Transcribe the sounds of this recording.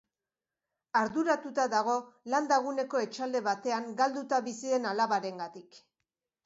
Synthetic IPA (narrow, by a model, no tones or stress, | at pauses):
aɾðuɾat̪ut̪aðaɣ̞o̞land̪aɣ̞une̞ko̞e̞t͡ʃald̪e̞βat̪e̞aŋɡald̪ut̪aβisiðe̞nalaβaɾe̞ŋɡat̪ik